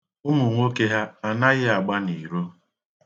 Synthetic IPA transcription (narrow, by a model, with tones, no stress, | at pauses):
ʊ˦mu˨ŋʷo˦ke˦ɦa˦a˨na˦ɣɪ˦a˨ɡ͡ba˦ni˨ɾo˦